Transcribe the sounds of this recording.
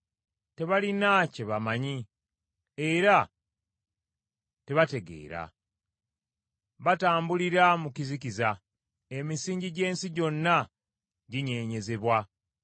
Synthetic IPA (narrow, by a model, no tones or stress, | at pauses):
te̞βalinace̞βamaɲi | e̞ɾa | te̞βate̞ɡe̞̰ːɾa̰ | βataːmbuliɾamukizikiza | e̞misiːɲɟiɟe̞ːnsiɟo̞nːa | ɟiɲe̞ːɲe̞ze̞βwa